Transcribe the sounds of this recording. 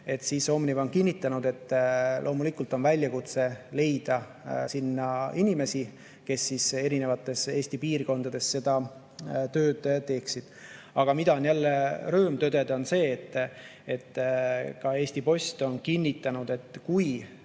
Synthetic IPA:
e̞t̪ːsiːso̞mnivo̞nkinʲːit̪ːˑɑnud̪̥e̞t̪ːlʔo̞ːmulikˑult̪o̞nvælʲːjɑkut̪se̞le̞jd̪̥ɑ | sinːɑinime̞si | ke̞sːise̞ɾine̞vɑt̪ːˑe̞se̞ːsʲt̪ipiːrko̞nd̪ɑd̪e̞sse̞d̪̥ɑ | t̪ø̞ːd̪̥t̪ːe̞ːksid̪̥ | ɑɡ̥ɑmid̪ɑonjælːeɾøːmt̪ø̞d̪̥ed̪o̞nse̞ːt̪ːet̪ːkɑe̞ːsʲt̪ipo̞sʲt̪o̞nkinʲːit̪ːˑɑnud̪̥e̞t̪ˑːkuj

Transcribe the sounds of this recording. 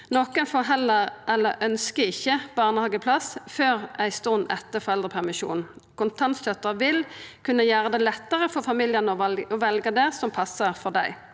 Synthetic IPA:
nɔkənfɔɦɛlːəʁʔɛlːəʔœnskəɪçːəb̥ɑːʁnəhɑːɡəpʰlɑsføːʁæɪst̪ɔnɛt̪ːəfɔʁɛld̪ʁəpʰæʁmɪʃṵːnnkʊnt̪ʰɑnt̪çœt̪ːəʋɪlkʰʉnːəjæːʁəd̪ɛlɛt̪ːəʁəfɔfɑmiːljənɔɔʋɛlɡəd̪ɛsɔmpʰɑsːəʁfɔd̪æɪ

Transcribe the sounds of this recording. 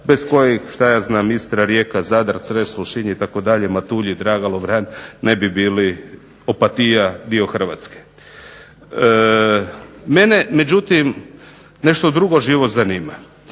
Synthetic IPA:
be̞sko̞jexʃt̪ajaːznaːmist̪ɾaɾjekazaːd̪aɾsɾesloʃiɲeit̪akod̪aʎemat̪uʎid̪ɾaːɡalobɾannebibiːli | opat̪ijad̪io̞xr̩ʋa̰ːt̪ske̥ | me̞neme̞d͡ʑut̪im | neʃt̪od̪ɾuɡo̞ʒiʋot̪zaniːma

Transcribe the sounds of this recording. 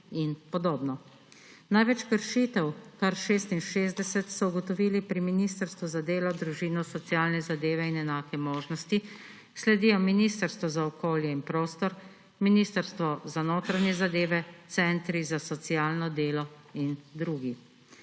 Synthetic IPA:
inpɔd̪oːbnɔ | najʋɛt͡ʃkəɾʃiːt̪ɛwkaɾʃeːst̪inʃeːzd̪ɛsɛt̪sɔuɡɔt̪ɔʋiːlipɾiminiːst̪əɾst̪ʋuzad̪eːlɔd̪ɾuʒiːnɔsɔt̪sijaːlnɛzad̪eːʋɛinɛnaːkɛmoːʒnɔst̪i | slɛd̪iːjɔminiːst̪əɾst̪ʋɔzaɔkoːljɛinpɾoːst̪ɔɾ | miniːst̪əɾst̪ʋɔzanoːt̪ɾaɲɛzad̪eːʋɛt̪sɛnt̪ɾizasɔt̪siaːlnɔd̪eːlɔ | ind̪ɾuːɡi

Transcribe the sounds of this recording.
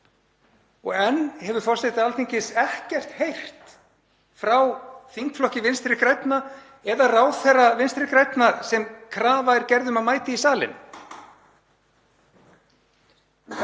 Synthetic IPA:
ɔ̰ɣɛnːhɛvʏɾfɔrseht̪ɪalt̪ʰiɲcɪsɛhcɛr̥t̪hejr̥t̪ | fɾawθiŋkflɔhcɪvɪnst̪ɾɪkɾɛjt̪na | ɛðaraːwθɛrːavɪnst̪ɾɪkɾɛjt̪naɾsɛmkʰɾaːvajɾcɛɾðʏmaðmaːjt̪ɪisaːlɪ̰n

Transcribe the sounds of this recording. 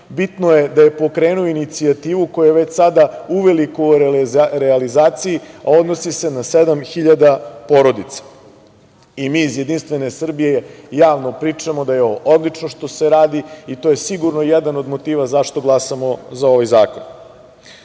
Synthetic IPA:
bit̪noje̞d̪aje̞po̞kɾe̞ːnuoinit̪siat̪iːʋuko̞jujeʋet͡ɕsad̪auʋe̞liku | ɾealizaːt̪sijiao̞d̪nosise̞nased̪amxiʎad̪apo̞ɾo̞d̪it̪sḁ | imiːzjed̪inst̪ʋe̞ne̞sr̩bije̞jaːʋno̞pɾiːt͡ʂamod̪ajeoʔod̪lˠit͡ʂnoʃt̪o̞se̞ɾaːd̪iit̪o̞je̞siɡuɾnojed̪ano̞d̪mo̞t̪iːʋazaʃt̪o̞ɡlˠasamozao̞ʋajzaːkon

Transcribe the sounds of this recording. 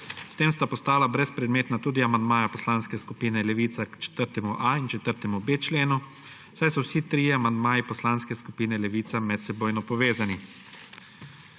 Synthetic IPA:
st̪eːmst̪apɔst̪aːlabɾɛspɾɛd̪meːt̪nat̪uːd̪iamand̪maːjapɔslaːnskɛskupiːnɛlɛʋiːt̪sakt͡ʃɛ̥t̪əɾt̪ɛmuʔaint͡ʃɛt̪əɾt̪ɛmubeːt͡ʃleːnu | wsajsɔwsit̪ɾiːɛamand̪maːipɔslaːnskɛskupiːnɛlɛʋiːt̪samɛt̪sɛboːjnɔpɔʋeːzani

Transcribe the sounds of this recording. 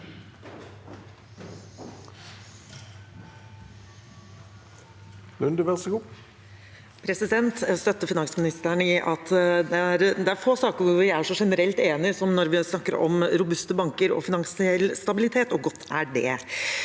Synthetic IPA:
lʉnd̪əʋæʁsəɡuː | pʰɾɛsɪd̪ɛnt̪st̪œt̪ːəfɪnɑŋsmɪnɪst̪æɳəɪʔɑt̪d̪ɛæɾd̪ɛæɾfoːsɑːkəɾʋɪæʂɔʂɛnəɾɛlt̪eːnɪsɔmnɔɾʋɪsnɑkːəɾɔ̰mɾʊbʉst̪əbɑŋkəɾɔ̰fɪnɑŋsɪɛlːst̪ɑbɪlɪt̪ʰeːt̪ɔɡɔt̪ːæɖɛ̰

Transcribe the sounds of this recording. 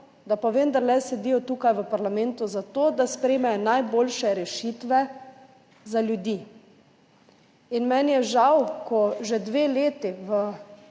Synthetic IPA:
d̪apaʋend̪aɾlɛsɛd̪iːjɔt̪uːkajʋəpaɾlamɛnt̪uzat̪oːd̪aspɾɛjmɛjɔnajboːlʃɛɾɛʃit̪ʋɛ | zaljud̪iː | inmɛnjɛʒawkɔʒɛd̪ʋeːleːt̪iʋə

